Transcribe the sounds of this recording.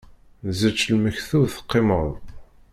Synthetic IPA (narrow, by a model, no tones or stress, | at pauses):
zət͡ʃːlməçθuθə̥qːeməðˤ